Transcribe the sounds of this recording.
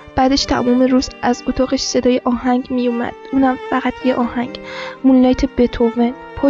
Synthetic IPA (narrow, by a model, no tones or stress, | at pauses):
b̥æːd̪eʃt̪ʰæ̰muːmeɾuːzæzot̪ʰɒːɣeʃse̞d̪ɒːjeʔɒːhæŋɡmijumæ̰d̪̥uːnhæmfæɣæt̪ʰjeʔɒːhæŋɡmullɒjt̪ʰebet̪ʰoven | pʰɒː